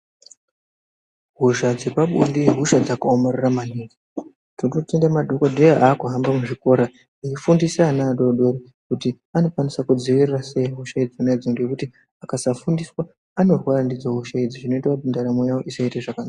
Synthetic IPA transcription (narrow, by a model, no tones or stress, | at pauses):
ɦuʒad͡ze̞paɓundiɦuʃad͡zakaomariramaniːŋɡi | tntotendamaɗokondejeaːkuɦambamuʐiko̞ɾa | iifundisanaɗoɗeɾi | kuti | ano̞kwanisakud͡ziʋirirase̞iɦuʃaid͡ziuned͡ziŋɡekuti | akasafundiswaː | no̞rwarandid͡zaɦuʃaid͡ziʐino̞itakutindaɾamojawo̞ʔisaiteʐakanaːkka